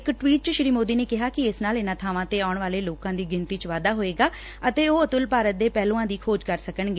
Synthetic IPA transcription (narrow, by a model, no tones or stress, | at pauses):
ɪkʈʋiːʈ̚t͡ʃəʃɪɾiːmoːd̪iːneːkɪɦaːkɪɪsnaːlɪnaːt̪ʰaːʋãːt̪eːaːʊɳʋaːleːloːkãːd̪iːɡɪnt̪iːt͡ʃʋaːd̪aːɦoːeːɡaː | ət̪eːoːət̪ʊlpaːɾət̪̚d̪eːpɛːlõːãːd̪iːkʰoːd͡ʒkəɾsəkəɳɡeː